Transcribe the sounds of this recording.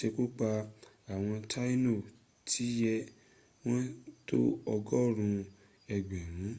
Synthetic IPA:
e˧ku˦k͡pa˧ | a˨w̃ɔ̃˧tʰa˦i˦no˦˨ | tʰi˨˦jɛ˦ | w̃ɔ̃˦to̰˦ɔ˧ɡɔ˦˨ɾ̃ũ˧ | ɛ˧ɡ͡bɛ˨ɾ̃ũ˨˦

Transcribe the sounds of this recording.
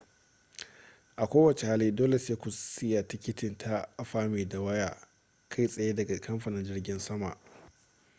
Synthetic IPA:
ʔa˨kʷoː˦wɐ˨t͡ʃe˨ha˦liː˦doː˦le˨seː˦kʷu˨sɪ˦ja˨tɪ˦kʲɪ˦tɪ˨ntʰa˦a˨ɸaː˦meː˨da˨wɐ˦jaː˨ | kʰa˦˨jsʼɐ˨jaː˦dɐ˨ɡa˨kɐ˦mɸɐ˨nɪ˨nd͡ʒɪ˦rɡʲɪ˦nsɐ˦ma̰˨ʔ

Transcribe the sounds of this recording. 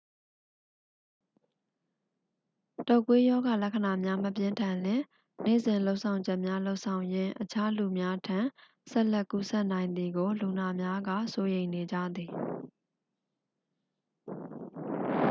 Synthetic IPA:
tɔ˨kwe˦jɔ˦ɡa˨lɛ˦kʰə˨na˨mja˦m̥əpjɪ̃˦ntʰã˨nlɪ̃˦˨ | nḛ˦˨zɪ̃˨lo˦ʊʔsʰã˨ʊ̃ɲd͡ʑɛ˦ʔmja˦lo˦ʊʔsʰã˨ʊ̃jɪ̃˦˨ʔət͡ɕʰa˦lu˨mja˦tʰã˨ | sɛ˦ʔlɛ˦˨kːu˦sɛ˦ʔnã˨ɪ̃nd̪ði˨ɡo˨lu˨na˨mja˦ɡa̰˦˨so˦jẽ˨ɪ̃ne˨d͡ʑä̰˦˨d̪i˨

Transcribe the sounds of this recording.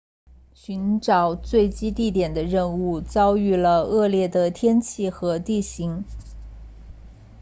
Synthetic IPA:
ɕy˧˥nʈ͡ʂɑ˨˩ʊt͡swe˥˩ɪt͡ɕi˥t̪i˥˩t̪jɛ˨˩nd̪ə˦ɻə˥˧nu˥˩˧t͡sɑ˥ʊy˥˩lə˩ɤ˥˧ljɛ˥˩d̪ə˩t̪ʰjɛ˥nt͡ɕʰi˥˩xɤ˧˥t̪i˥˩ɕi˧˥ŋ

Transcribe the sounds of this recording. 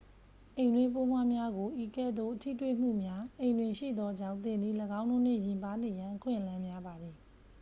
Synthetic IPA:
ʔẽ˨ɪ̃ndwɪ̃˦p̬o˦mwa˦mja˦ɡo˨ʔi˨kɛ̰˦˨d̪o̰˦˨tʰḭ˦˨twḛ˦˨m̥ṵ˦˨mja˦ʔẽ˨ndwɪ̃˨ʃḭ˦˨d̪ɔ˦ʔd͡ʑã˦ʊ̃nt̪ɪ̃˨nd̪ði˨ləɡã˦ʊ̃no˦˨n̥ɪ̰˦˨jɪ̃˨mpa˦ne˨jã˨ʔəkʰwɪ̰̃˦˨ʔəlã˦mja˦ba˨d̪ði˨

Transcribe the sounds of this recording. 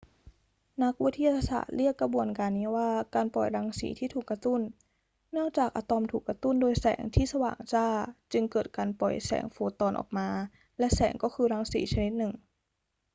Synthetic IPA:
na˦˥k̚wt̪ʰi˥ja˧t̪ʰːa˧sa̰ː˨˩t̪̚ɾi˥˩əkːɾa˧bu˧ənkaː˧nːiː˦˥waː˥˩kaː˧npɔ˨˩jɾaː˧˥ŋsḭː˩˦t̪ʰiː˥˩t̪ʰuː˨˩kːa˧t̪u˥˩n | nɯ˥˩əŋt͡ɕaː˨˩k̚ʔa˧t̪ɔ˧mt̪ʰuː˨˩kːa˧t̪u˥˩ndoː˧jsɛ̰ː˩˦ŋt̪ʰiː˥˩sa˧wa̰ː˨˩ŋt͡ɕaː˥˩t͡ɕɯ˧ŋkɤː˨˩t̪̚kaː˧npɔ˨˩jsɛ̰ː˩˦ŋfoː˧t̪ɔː˧nʔɔ̰ː˨˩k̚maː˧ | lɛ˦˥ʔsɛ̰ː˩˦ŋkɔː˥˩kʰɯː˧ɾaː˧˥ŋsḭː˩˦t͡ɕʰa˧ni˦˥t̪̚nɯ˨˩ŋ

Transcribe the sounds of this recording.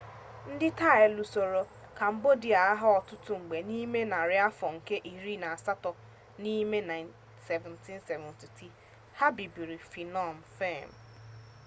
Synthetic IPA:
n̩˦dɪ˦ta˦˨e˨lu˨so˨ɾo˨ | ka˨m̩˦bo˦di˨a˨a˦ɦa˦ɔ˨tʊ˦tʊ˦ŋ͡m̩˨ɡ͡be˨ni˦me˦na˨ɾɪ˨a˦fɔ˨ŋ̩˨ke˦ʔi˨ɾi˦na˨a˨sa˦tɔ˨ | ni˦me˦na˨ɪ˨n | se˨vɛ̃˨n̩ti˦n˦se˨vɛ̃˨nti˨ti˦ | ha˦bi˨bi˨ɾi˨fi˨nɔ˦˨m̩˨fe˦˨m̩˨

